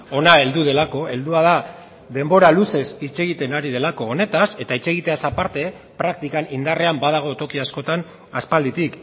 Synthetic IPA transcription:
o̞nae̞ld̪uðe̞lako̞e̞ld̪uað̞a | ðe̞mbo̞ɾaluse̞sit͡ʃe̞ɣit̪e̞naɾiðe̞lako̞ːne̞t̪ase̞t̪ait͡ʃe̞ɣ̞it̪e̞asapaɾt̪e̞ | pɾak̚t̪ikanind̪are̞ambað̞aɣ̞o̞t̪o̞kiasko̞t̪an | aspald̪it̪ik

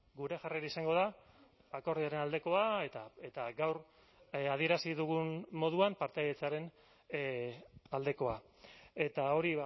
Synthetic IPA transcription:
ɡuɾe̞ʝareɾaisaŋɡo̞ð̞a | ako̞ɾðiaɾe̞nald̪e̞ko̞aet̪ae̞t̪aɡawɾ | að̞ie̞ɾasiðuɣunmo̞ð̞uampaɾt̪eajet͡saɾe̞n | ald̪e̞ko̞a | e̞t̪ao̞ɾi

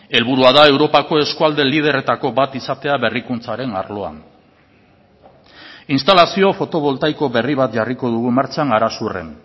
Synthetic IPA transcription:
e̞lβuɾuaðae̞wɾo̞pako̞e̞skuald̪e̞lið̞e̞re̞t̪ako̞bat̪isat̪e̞aβe̞rikunt͡saɾe̞na̰ɾlo̞a̰n | inst̪alasio̞fo̞t̪o̞βo̞lt̪ajko̞βe̞riβ̞at̪ʝariko̞ð̞uɣumaɾt͡ʃaŋaɾasure̞̰n

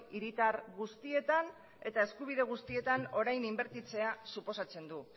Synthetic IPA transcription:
iɾit̪aɾɣust̪ie̞t̪an | e̞t̪ae̞skuβ̞iðe̞ɣ̞ust̪ie̞t̪ano̞ɾajnimbe̞ɾt̪it͡se̞asupo̞sat͡se̞nd̪u

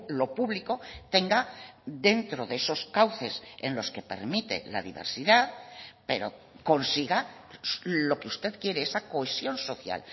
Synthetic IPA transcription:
lo̞puβliko̞t̪e̞ŋɡaðe̞nt̪ɾo̞ðeeso̞skawθe̞senlo̞ske̞pe̞̰ɾmit̪e̞̰la̰ðḭβe̞̰ɾsiðaðpe̞ɾo̞̰ | ko̞nsiɣa | lo̞keust̪e̞ðkje̞ɾeesakoesjo̞nso̞θja̰l

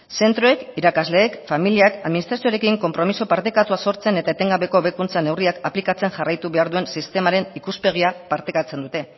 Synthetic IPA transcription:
se̞nt̪ɾo̞e̞kiɾakazle̞ːkfamiliakaðminist̪ɾasio̞aɾe̞kiŋko̞mpɾo̞miso̞paɾt̪e̞kat̪uaso̞ɾt͡se̞ne̞t̪aet̪e̞ŋɡaβe̞ko̞βe̞kunt͡sane̞wriakaplikat͡se̞ŋʝarajt̪uβe̞aɾðue̞nsist̪e̞maɾe̞nikuspe̞ɣ̞iapaɾt̪e̞kat͡se̞nd̪ut̪e̞

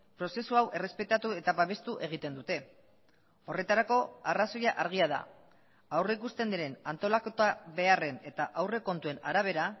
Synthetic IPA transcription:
pɾo̞se̞suawʔe̞re̞spe̞t̪at̪ue̞t̪aβaβ̞e̞st̪uʔe̞ɣ̞it̪e̞nd̪ut̪e̞ | o̞re̞t̪aɾako̞araso̞jaʔaɾɣ̞iað̞a̰ | awreikust̪e̞nd̪iɾe̞nant̪o̞lakot̪aβe̞are̞ne̞t̪aʔawre̞ko̞nt̪ue̞naɾaβ̞e̞ɾa

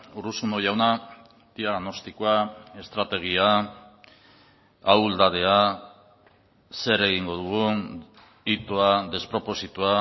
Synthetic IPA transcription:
uɾusuno̞ʝawna | d̪̥iaɣno̞st̪ikoae̞st̪ɾat̪e̞ɣ̞ia | awld̪að̞e̞a | se̞ɾe̞ɣ̞iŋɡo̞ðuɣ̞u | it̪oaðe̞spɾo̞po̞sit̪ua

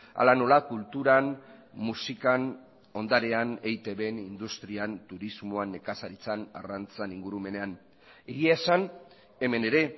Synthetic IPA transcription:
a̰lano̞lakult̪uɾanmusikan | o̞nd̪aɾe̞ane̞jt̪e̞βe̞nind̪ust̪ɾiant̪uɾizmoane̞kasaɾit͡sana̰rant͡saniŋɡuɾume̞ne̞an | eɣiaesan | e̞me̞ne̞ɾe̞

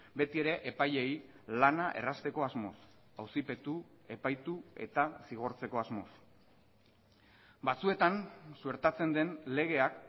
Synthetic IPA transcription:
be̞t̪ie̞ɾe̞ʔepaje̞j | lanaʔe̞̰rast̪e̞ko̞azmo̞̰s | awsipe̞t̪u | e̞pajt̪ue̞̰t̪asiɣ̞o̞ɾt͡se̞ko̞azmo̞̰s | bat͡sue̞t̪ansueɾt̪at͡se̞nd̪e̞nle̞ɣ̞e̞ak

